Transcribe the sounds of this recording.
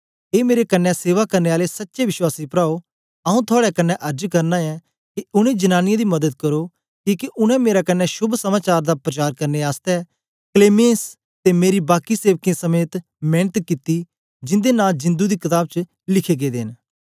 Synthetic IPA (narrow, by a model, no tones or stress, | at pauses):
eːmeːɾekənːɛseːʋakɐɾneaːlesətːʃeʋɪʃwaːsipɾaːo | aũt̪ʰʊaːɽɛkɐnːɛʔɐɾd͡ʒkɐɾnãɛ | kiʊnẽd͡ʒɐnaːnɪjãd̪imɐd̪əd̪̚kəɾo | kiːkiʔʊnɛ̃meːɾakənːɛʃʊbsəmaːt͡ʃaːɾd̪apɾət͡ʃaːɾkɐɾneaːst̪ɛ | kleːmẽs | t̪emeːɾibaːkiseːʋkẽãsəmeːt̪ | meːnət̪kɪt̪i | d͡ʒɪ̃nd̪enaːld͡ʒɪ̃nd̪ud̪iːkɪt̪aːb̚t͡ʃ | lɪkʰeɡeːd̪eːn